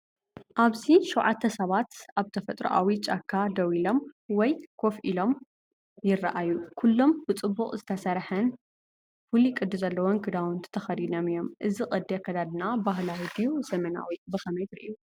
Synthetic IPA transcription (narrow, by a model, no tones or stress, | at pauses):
ʔaβziʃɛwʕat̪ʰːɐsɐβat̪aβt̪ʰɐfɐt̪ʼɾo̰ʔa̰wit͡ʃʼakʰːad̪ɐwilo̞mwɔjkʰo̞fʔilo̞m | jɪrːaʔajukʰulːo̞mbɨt͡sʼɨbːuχʼzɨt̪ʰɐsɐɾħɐn | fulikʼɨd̪ːɨzɐlːɐwonɡɨd̪awʊnt̪ʰt̪ʰɐxɐd̪inomijo̞mʔɨzikʼɐd̪ːiakʰːɐd̪ad̪ɨnabaɦlawid̪ijuzɐmɐna̰wibɨxɐmɐjt̪ɾḭʔju